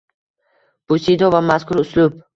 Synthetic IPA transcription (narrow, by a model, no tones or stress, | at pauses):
b̥usid̪ɔvamaskʰuɾʊslub